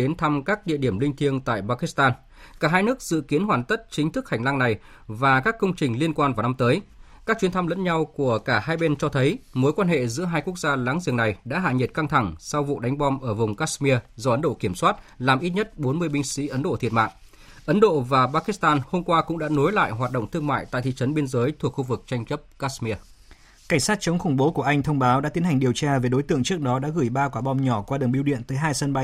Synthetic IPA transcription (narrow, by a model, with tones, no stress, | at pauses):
ɗe˨˦nt̪ʰa˧mkaː˦˥k̚ɗḭ˧˨əɗi˧˩əmlï˧ŋ̟t̪ʰi˧əŋt̪a̰ː˧˨jɓaː˧ki˦˥st̪aː˧n | kaː˧˩ɦaː˧jnɨ˦˥ək̚z̥ɨ̰˧˨ki˨˦ənɦwaː˧˩nt̪ə˦˥t̚t͡ɕï˨˦ŋ̟t̪ʰɨ˦˥k̚ha˨˩ŋ̟la˧ŋna˨˩j | vaː˨˩kaː˦˥kːə˧wŋ͡mt͡ɕï˨˩ŋ̟li˧ənkwaː˧nvaː˨˩na˧mt̪əː˨˦j | kaː˦˥k̚t͡ɕwi˨˦ənt̪ʰa˧mlə̰˧˥nɲa˧wku˧˩əkaː˧˩haː˧jɓe˧nt͡ɕɔ˧t̪ʰə˨˦jmo˨˦jkwaː˧nhḛ˧˨zɨ̰˧˥əɦaː˧jku˦˥ək̚zaː˧la̰ː˨˥ŋzḭ˧˨˩əŋna˨˩jɗa̰ː˧˥ɦa̰ː˧˨ɲi˨˩t̚ka˧ŋt̪ʰa˧˩ŋsa˧wvṵ˧˨ɗa˨˦jŋ̟ɓɔ˧mʔəː˧˩vʊ˨˩ŋ͡mkaː˦˥smi˧əzɔ˧ʔə˨˦nɗo̰˧˨ki˧˩əmswaː˦˥t̚laː˨˩mʔi˦˥t̚ɲə˦˥t̚ɓo˨˦nmɨ˧əjɓï˧ŋ̟sḭ˧˥ʔə˨˦nɗo̰˧˨t̪ʰi˨˩ət̚ma̰ː˧˨ʔ | ʔə˨˦nɗo̰˧˨vaː˨˩ɓaː˧˥ki˦˥st̪aː˧nho˧mkwaː˧kʊ̰˧˥ŋ͡mɗa̰ː˧˥no˨˦jla̰ː˧˨jɦwaː˨˩t̚ɗo̰˧˨ŋ͡mt̪ɨ˧əŋma̰ː˧˨jt̪a̰˧˨t̪ʰḭ˧˨t͡ɕə˨˦nɓe˧nzəː˨˦jt̪ʰu˨˩əkxu˧vɨ˨˩k̚t͡ɕa˧jŋt͡ɕə˦˥p̚kaː˦˥smi˧ə | ka˧˩ŋ̟saː˦˥t̚t͡ɕə˨˦ŋ͡mxʊ˧˩ŋ͡mɓo˨˦ku˧˩əʔa˧jŋ̟t̪ʰə˧wŋ͡mɓaː˨˦wɗa̰ː˧˥i˨˦ənha˨˩ŋ̟ɗi˨˩əwt͡ɕaː˧ve˨˩ɗo˨˦jt̪ɨ̰˧˨əŋt͡ɕɨ˦˥ək̚ɗɔ˨˦ɗa̰ː˧˥ɣɨ˧˩jɓaː˧kwaː˧˩ɓɔ˧mɲɔ˧˩kwaː˧ɗɨ˨˩ŋɓi˧wɗḭ˧˨ənt̪əː˨˦jɦaː˧jsə˧nɓa˧j